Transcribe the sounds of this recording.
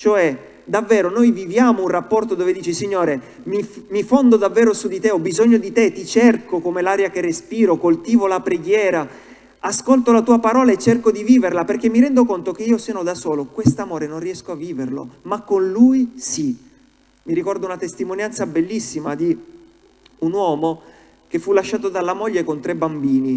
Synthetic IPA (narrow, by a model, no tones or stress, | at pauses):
t͡ʃoɛ | d̪avːɛːɾonojvivjaːmounrapːɔrt̪od̪oːved̪iːt͡ʃisiɲːoːɾe | mimifond̪od̪avːɛːɾosud̪it̪eɔbːizoɲːod̪it̪et̪it͡ʃɛrkokomelaːɾjakerːespiːɾokolt̪iːvolapɾeɡjɛːɾa | askolt̪olat̪uːapaɾɔːlaet͡ʃːerkod̪iviːverlaperk̟emːiɾɛnd̪okont̪ok̟eiːoseːnod̪asoːlokwest̪amoːɾenonrːiɛskoavːiːverlo̰makːonlujsi | miɾikɔrd̪oaunat̪est̪imonjant̪sabelːisːimad̪i | unwɔːmo | kefːulːaʃːaːt̪od̪alːamoʎːekont̪ɾebambiːni